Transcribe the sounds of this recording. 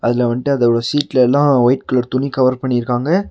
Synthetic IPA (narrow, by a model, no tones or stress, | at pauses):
ɐðɪlɐʋɐɳʈːɯɐðɐɽɐsiːʈlɐɛlːãːʋɐɪʈ̚kɯlɐɾt̪ʊnikɐʋɐɾpɐɳːɪɾɯkːaːŋɡɐ